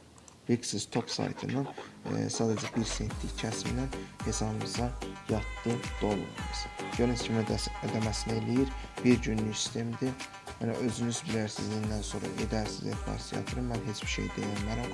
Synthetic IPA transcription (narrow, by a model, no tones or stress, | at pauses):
viksist̪ʰo̞psɑ̰jt̪ʰɯ̰nɑnsɑːd̪æd͡ʒæbiɾsent̪ʰːicʰæsmḭnænhe̞sɑbɯmɯzɑjɑt̪ːɯd̪̥o̞lˠṵnz̥ɟøɾinscʰimed̪æmæsinæelijiɾb̥iɾɟynlyçsi̥st̪ʰe̞md̪i | jænæ̰ʔø̞zynyzbilæɾsizlind̪ænso̞ɾɑ̰ʔed̪æɾsḭzefbɑ̰sjɑ̰t̪ʰɯɾɯmmænɦe̞t͡ʃʰbiɾʃḛjd̪e̞̰jænlæɾæm